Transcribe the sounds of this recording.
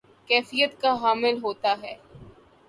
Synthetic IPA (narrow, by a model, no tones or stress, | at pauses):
kɛːfijət̪kaɦaːmɪlɦoːt̪aɦɛː